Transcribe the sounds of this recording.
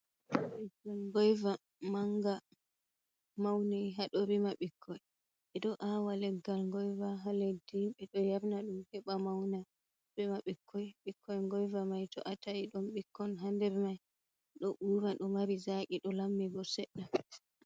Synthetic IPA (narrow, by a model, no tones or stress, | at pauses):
lɛɡalŋɡɔjva | maŋɡa | mawnɛjɦaɗɔɾimaɓikʰːɔj | ɓɛɗɔʔawalɛɡːalŋɡɔjvaɦalediɓɛɗɔjaɾnaɗumhɛɓamawna | bɛmaɓikʰːɔjɓikʰːɔjŋɡɔjvamajtɔ̰ʔataiɗɔmɓikʰːɔnɦandɛɾmaj | ɗɔʔuːɾaɗɔmaɾizakiɗɔlamːiɡɔsɛɗːa